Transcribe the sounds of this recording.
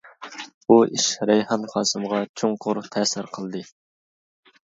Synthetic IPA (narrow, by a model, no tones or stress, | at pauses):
buiʃɾɛjhɑnχɑːsɨmʁɑt͡ʃʰoŋqʰʊɾt̪ʰɛːsɪɾqʰəlˠd̪ɨ